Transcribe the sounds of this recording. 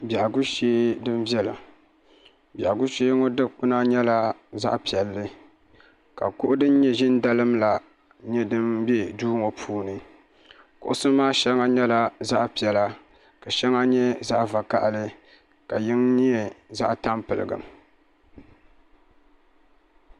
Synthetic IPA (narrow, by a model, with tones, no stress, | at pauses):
ba˨a˨ɡu˦ʃeː˦dɨ˦mvjɛ˦la̰˨ | ba˨ɡʊ˦ʃeː˦ŋo˦dɨ˦k͡pʊ˦na˦ɲɛ˦la˦za̰˦ʔpi˨ɛ˨lːɨ˦ | ka̰˨kʊ˦ʔʊ˦dɨ˦n˦ɲɛ˦ʒɪ˦nda˦lɨ˦mla˨ | ɲɛ˦dɨ˦mbɛ˦duː˦ŋo˨pʰuː˦nɨ˨ | kʊ̰˨ʔʊ˦sɨ˦maː˦ʃɛ˦ŋa˦ɲɛ˦la˦za˦ʔpi˨ɛ˨la˦ | ka˨ʃɛ˦ŋa˦ɲɛ˦za˦ʔva˨ka̰˦ʔlɨ˦ | ka˨jɪ˦ŋni˦ɛ˨za̰˦ʔta˦mpɨ˨lɨ̰˨ɡɨ̰˨m